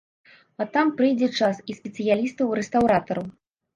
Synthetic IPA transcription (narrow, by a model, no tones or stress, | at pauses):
at̪ampɾɨjd͡zʲɛt͡ʂasispʲɛt̪sɨjalʲist̪ɐwɾɛst̪awɾat̪ɐɾɐw